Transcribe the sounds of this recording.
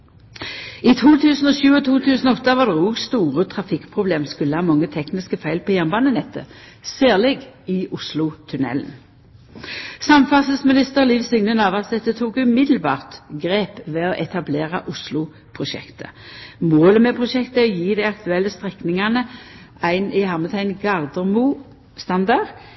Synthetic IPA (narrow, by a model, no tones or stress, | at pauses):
it̪ʰuːt̪ʰʉːsn̩ɔːɕʉːɔt̪ʰuːt̪ʰʉːsn̩ɔɔt̪ːɑʋɑʁd̪ɛʁuːɡst̪uːʁət̪ʰʁɑfɪkpʰʁʊbleːmskʉlːəhɑːmɑŋːət̪ʰɛknɪskəfæɪlpʰɔjæʁnbɑːnənɛt̪ːə̰ | sæːʁlɪɡɪʊslʊt̪ʰʉnɛ̰ln | sɑmfɑsəsmɪnɪst̪əʁliːʋsʏŋnənɑʋɑt̪̚d̪ɛt̪ːət̪ʰuːkʉmɪd̪l̩bɑ̰ːʁt̪ɡʁeːpʋɛɔʔɛt̪ɑbleːʁəʔʊslʊ | pʰʁʊʃɛ̰kt̪ʰə̰moːləmɛpʰʁʊʃɛkt̪əɔjiːd̪æɪɑkt̪ʉɛlːəst̪ʁɛknɪŋɑnə | æɪnɪhɑʁmət̪ʰæɪnɡɑʁd̪əmuː | st̪ɑnd̪ɑʁ